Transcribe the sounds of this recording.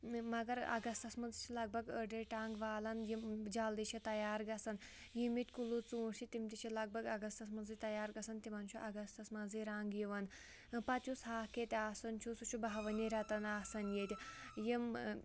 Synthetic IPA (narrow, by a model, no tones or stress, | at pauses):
mɐɡɐɾɐ̰ɡɐst̪ɐsmɐnzit͡ʃʰilɐɡ̚bʱɐɡəɖeʈaːŋɡʋaːlɐnjimd͡ʒaːld̪it͡ʃʰit̪ɐjaːɾɡɐsɐn | jimit̪ʲkulut͡suːɳsit̪imt̪it͡ʃʰilɐɡ̚bʱɐɡɐɡɐst̪ɐsmɐnzit̪ɐjaːɾɡɐsɐnt̪imɐnt͡ʃʰuʔɐɡɐst̪ɐsmɐnziɾaːŋɡjiʋɐn | pɐtt͡ʃusɦaːket̪ʲaːsɐnt͡ʃʰusut͡ʃʰubaɦʋɐniɾɐt̪ɐnaːsɐnjet̪ʲjim